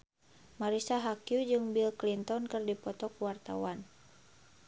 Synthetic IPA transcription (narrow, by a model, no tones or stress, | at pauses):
maɾisaɦakjud͡ʒɨŋbilklint̪ɔnkɨrdipɔt̪ɔkuwart̪a̰wan